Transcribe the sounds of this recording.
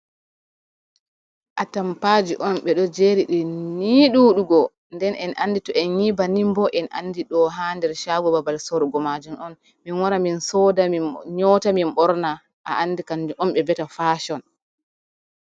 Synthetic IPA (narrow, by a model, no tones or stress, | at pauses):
ʔatampaːd͡ʒiʔɔnɓɛɗɔd͡ʒeɾiɗiniɗuɗuɡɔ | ndɛnʔɛnʔa̰nditɔʔɛnɲibanimbɔʔɛnʔa̰ndiɗɔɦandɛɾʃaːɡɔbabalsɔɾɡɔmad͡ʒumɔn | minwaɾaminsɔdaɲɔːtaminɓɔɾna | ʔa̰ʔanːdikand͡ʒʔɔmɓɛbɛtafaːʃɔn